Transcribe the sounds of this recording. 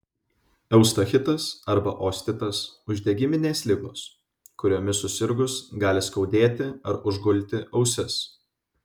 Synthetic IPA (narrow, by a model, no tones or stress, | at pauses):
ɛʊst̪ɐxʲɪt̪ɐsɐɾbɐʔoːsʲt̪ʲɪt̪ɐsʊʒʲd̪ʲeɡʲɪmʲɪnʲeːslʲɪɡoːs | kʊɾʲoːmʲɪsʊsʲɪɾɡʊsɡɑːlʲɪskɒʊd̪ʲeːt̪ʲɪɐɾʊʒɡʊlʲˑt̪ʲɪʔɐʊsʲɛs